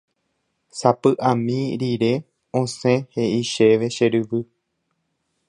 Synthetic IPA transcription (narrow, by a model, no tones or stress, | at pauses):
sapɨʔãmĩɾiɾe̞ | õsẽheʔiʃeʋe̞ʃe̞ɾɨʋɨ